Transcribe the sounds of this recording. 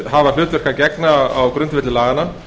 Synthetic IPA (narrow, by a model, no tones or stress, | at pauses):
ɦaval̥ʏːt̪vœɾ̥kacɛknaawkɾʏnt̪vɪt̪ɪlaːɣana